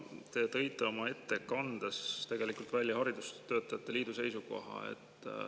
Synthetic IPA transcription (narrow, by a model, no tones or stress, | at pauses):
t̪e̞t̪ɤ̞jt̪ːˑe̞o̞mɑe̞t̪ːe̞kɑnd̪̥est̪e̞ɡ̥e̞likult̪ˑvælʲjɑhɑɾid̪̥ust̪ːø̞ːt̪ːˑɑjɑt̪ːˑe̞liːd̪̥use̞jsuko̞̰ɦɑ̰e̞̰t̪ːˑ